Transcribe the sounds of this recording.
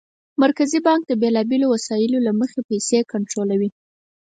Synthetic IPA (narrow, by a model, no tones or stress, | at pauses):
maɾkazibɑŋk̚d̪əbelɑbelowasɑjɪlolaməxepajsekaɳʈɾolawi